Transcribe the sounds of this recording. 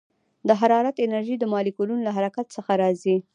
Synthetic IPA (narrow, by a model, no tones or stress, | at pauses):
d̪əɦaɾɑɾat̪ɪnaɾʒid̪əmɑlikulunolaɦaɾakat̪səxaɾɑzi